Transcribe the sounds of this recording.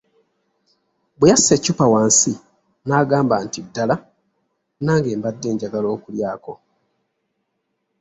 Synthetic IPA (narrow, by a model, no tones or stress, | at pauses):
bejasːecːupawaːnsi | naːɡaːmbantidːala | naːŋɡe̞ːmbadːe̞ːɲɟaɡalo̞ːkuljaːko̞